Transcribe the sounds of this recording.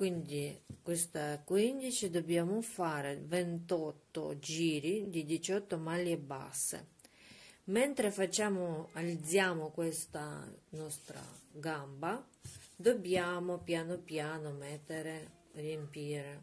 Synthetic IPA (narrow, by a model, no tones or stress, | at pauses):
kwind̪ikwest̪aɛkwind̪it͡ʃid̪objaːmofaːɾevent̪ɔt̪ːo̰d͡ʒiːɾid̪id̪it͡ʃɔt̪ːomalːieba̰sːḛ | mɛnt̪ɾefat͡ʃːaːmoalid̪zːjaːmokwest̪a̰nɔst̪ɾa̰ɡamba | d̪objaːmopjaːnopjaːnomɛt̪ːeɾe | rjempiːɾe